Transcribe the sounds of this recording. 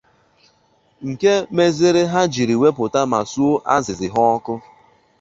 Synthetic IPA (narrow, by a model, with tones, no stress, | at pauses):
ŋ̩˨ke˦me˦zɪ˦ɾɪ˦ɦa˦d͡ʒi˨ɾi˨we˦pʊ˨ta˦ma˨su˦o˦ʔa̰˦zɪ˨zɪ˨ɦɔ˦ɔ˦kʊ˦